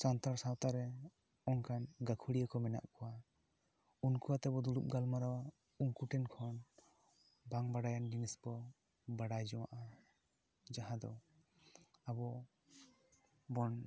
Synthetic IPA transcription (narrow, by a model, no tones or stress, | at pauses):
sant̪aɾsawt̪aɾɛ | ɔnkʰanɡakʰuɽijakɔmɛna̰ʔkɔwa | unkuat̪ɛbɔd̪uɽup̚ɡalmaɾɔ | uŋkuʈɛnkʰɔn | baŋbaɽajanɡinisbɔ | baɽajd͡ʒɔwa̰ʔa | d͡ʒaɦad̪ɔ̰ | abɔ | bɔn